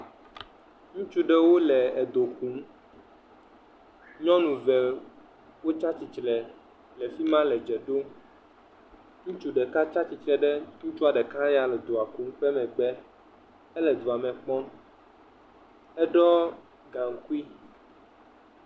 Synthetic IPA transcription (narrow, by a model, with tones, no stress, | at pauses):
ŋũ˦t͡ʃu˦ɖɛ˨wo˦lɛ˨ɛ˨d̪o˨kũ˦m | ɲɔ̃˦nũ˨vɛ˨ | wo˦t͡ʃa˦t͡ɕi˨t͡ʃlɛ˨ | lɛ˨fi˦mã˦lɛ˨d͡ʒɛ˨ɖo˦ | ŋũ˦t͡ʃu˦ɖɛ˨ka˦t͡ʃa˦t͡ɕi˨t͡ʃɾɛ˨ɖɛ˦ŋũ˦t͡ʃu˦a˨ɖɛ˨kã˦ja˨lɛ˨d̪o˨a˨kũ˨˦ŋ˦ɸɛ˦mɛ̃˨ɡ͡bɛ˦ | ɛ˦lɛ˨d̪o˨a˨mɛ̃˨k͡pɔ̃˦ | ɛ˦ɖɔ˦ | ɡã˨ŋ˦ku˦i˦